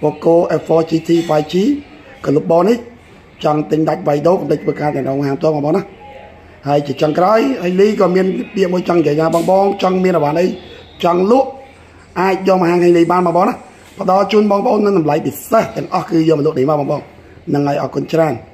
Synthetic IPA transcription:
pɔːkoəʔɛfɔːt͡ɕiːt̪ʰiːʋajt͡ɕiː | kɔlup̚ɓɑːnih | t͡ɕɑŋt̪ɨɲɗac̚ʋajɗoːkənt̪əc̚t̪ʰʋəːkaːt̪ɛ̆əŋrɔːŋmɦaːmpt̪ŏəmɓɔːɓɑːnah | haəjt͡ɕiət͡ɕɑŋkraɔjhaliːkɑːmiənɓiəʔmuəjt͡ɕɑŋiɲjəjnaːɓɑːŋɓɑːŋt͡ɕɑŋmiənrɔʋaːnʔəj | t͡ɕɑŋlʊəʔ | ʔaːc̚jɔːmaɦaːŋkʰəːŋliːɓaːnɓɑːŋɓɑːŋnah | pə̆ɗɑlt͡ɕuənɓɑːŋpə̆ʔoːnːɨŋɗɑmlajpiseht̪ɛ̆əŋʔɑhkɨːjɔːməlŭəʔnihmaːnɓɔːŋɓɑːŋ | nɨŋʔaɔjʔɑːkʊənt͡ɕraən

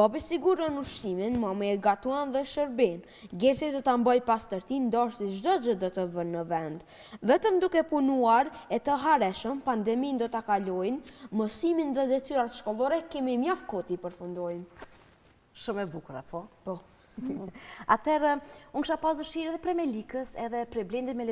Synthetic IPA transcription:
bɔbisiɡuɾɔnuɾʃiminmɔmɛɛɡat̪uanðɛʃəɾbin | ɡɛɾsid̪ɔt̪ambɔjpast̪əɾt̪ind̪ɔʃt̪iʒd̪ɔd͡ʒəd̪ɔt̪əvənːəvɛnd̪ | vɛt̪əmd̪ukɛpunuaɾɛt̪əɦaɾɛʃəmpand̪ɛmind̪ɔt̪akalɔjnməsiminðɛd̪ɛt̪yɾat̪ʃkɔlˠɔɾɛkɛmimjafkɔt̪ipəɾfund̪ɔjm | ʃumɛbukuɾa̰pɔpɔ | a̰t̪ɛɾuŋkʃapasd̪əʃiɾɛðɛpɾɛmɛlikəsɛ̰ðɛpɾɛblɛnd̪it̪mɛlɛ

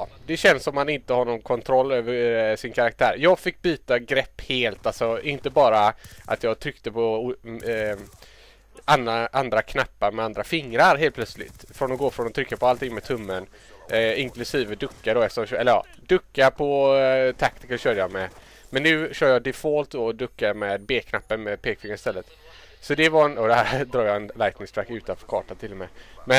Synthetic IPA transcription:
d̪ɛɕɛnsɔmhanɪnt̪əhaɾnɔmkʰɔnt̪ʰɾɔlːøːvəʂɪnkʰaɾak̚t̪ʰæ̰ːɾjɑːɡfɪkːbyːt̪aɡɾɛpːheːlt̪alsɔɪnt̪əbɑːɾaʔa̰t̪jɑːɡt̪ʰɾʏkt̪əpʰɔ | anaʔand̪ɾakʰnapːaɾmɛand̪ɾafɪŋɾaɾɦeːlpʰlœt̪slɪ̰t̪fɾɔnɔɡoːfɾɔnɔt̪ʰɾʏkːapɔalt̪ʰɪŋmɛt̪ʰɵmːən | ɪŋklɵsiːvəd̪ɵkːadɔɛft̪əɔmːɛlːəɾjɑ̰ː | d̪ɵkːaɾpʰɔt̪ʰakt̪ɪkəɕœːɾjɑmɛ | mɛnːʉ̟ːɕœːɾjɑd̪ɪfɔlt̪d̪od̪ɵkːamɛːd̪̚beːkʰnapːənmɛpʰeːkfɪŋːaɾɪst̪ɛlːət̪ | sɔd̪ɛvaɾɛnɔd̪ɛɦæːɾd̪ɾɑːɡjɑɛnlajt̪nɪŋst̪ʰɾakːʉ̟ːt̪anfœɾkʰɑ̰ːʈant̪ʰɪlːɔmɛmɛ

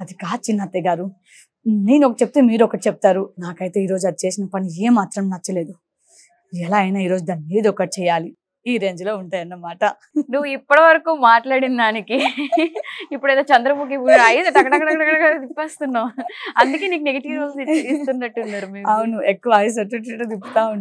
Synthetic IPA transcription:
ɐd̪ikaːt͡ʃinːat̪eɡaːɾu | neːnuɔkɐʈit͡ʃep̚ut̪eːmiːɾɔkːɐʈit͡ʃep̚u̥t̪aːɾunaːkɐjt̪e̞ːiːɾo̞ːd͡ʒuɐd̪it͡ʃe̞ːsinɐpɐnieːmaːt̪ɾɐmnɐt͡ʃːɐle̞ːd̪u | ɛlaːɐjnaiːɾo̞ːd͡ʒud̪aːnmiːd̪ɔkːɐʈi̥t͡ʃɛjaːli | iːɾe̞ːɲd͡ʒlo̞ːuɳʈaːjɐnːɐmaːʈɐ | nuʋːuipːɐɽɐʋɐɾɐkuːmaːʈlaːɽind̪aːniki | ipːuɽɐjd̪oːt͡ʃɐnd̪ɾɐbuːk̬ipuɐjsɐʈɐkɐɽɐkɐʈɐkɐɽɐkɐɽɐɡad̪ipːeːst̪unːaːmɐnd̪ukeːniːkuneɡɐʈiɐsit͡ʃɐɾɡist̪unːɐʈːunːaːɾumeːɐwunuekːuʋɐaːjus̬ɐɾʈiʈːeʈːod̪ipːut̪aːun

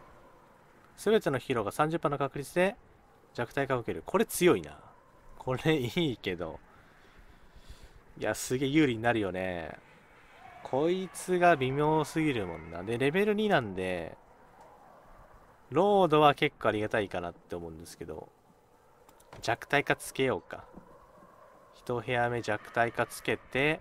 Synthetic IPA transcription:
sɨbe̞t̪eno̞çiɾo̞ɡasãɲ̟d͡ʑɨpːãnːo̞kakɯ̟ɾʲit͡sɨd̪e̞ | d͡ʑakɯ̟̥t̪aikakokeɾɯ̟kʰo̞ɾe̞t͡sɨjo̞ina̰ | kʰo̞ɾe̞iːke̞d̪o̞̰ | ja̰sɨɡe̞jɯ̟ːɾʲiɲ̟inaɾɯ̟jo̞ne̞̰ | kʰo̞it͡sɨɡabʲimʲjo̞ːsɨɡʲiɾɯ̟mõ̞nːa̰d̪e̞ɾe̞be̞ɾɯ̟ɲ̟inãnd̪e̞̰ | ɾo̞ːd̪o̞βake̞kːoaɾʲiɡat̪aikanat̪ːe̞omo̞ɯ̟̃nd̪e̞sɨ̥ke̞d̪o̞̰ | d͡ʑakɯ̟̥t̪aikat͡sɨ̥ke̞jo̞ːka̰ | çi̥t̪o̞ɦe̞ame̞d͡ʑakɯ̟̥t̪aikat͡sɨ̥ke̞t̪e̞

